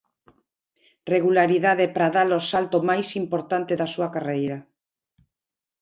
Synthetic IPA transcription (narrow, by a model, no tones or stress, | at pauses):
reɣulaɾiðaðepɾaðalosalt̪omajsimpoɾt̪ant̪eðasuakarejɾa